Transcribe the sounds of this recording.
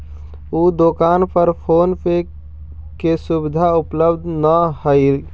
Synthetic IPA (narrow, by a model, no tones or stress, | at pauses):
ud̪okanpəɾpʰoːnpʰe | kesubɪd̪ʱaupləbd̪ʱnəhəɪl